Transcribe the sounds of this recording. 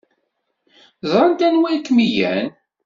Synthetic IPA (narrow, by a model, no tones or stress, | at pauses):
zˤɾˤənt̪ænwikːmijæ̰n